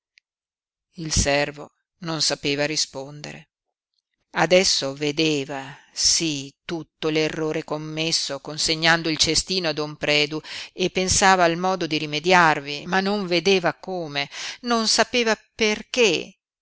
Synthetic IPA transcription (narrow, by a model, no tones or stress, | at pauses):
ilsɛrvo | nonsapeːvaɾispond̪ḛɾḛ | ad̪ɛsːoved̪eːvasit̪ut̪ːolerːoːɾekomːesːokonseɲːand̪oilt͡ʃest̪iːnoad̪ompɾɛːd̪uepːensaːvaːlmɔːd̪od̪iɾimed̪jarvimanːoɱved̪eːvakoːmenonsapeːvaperke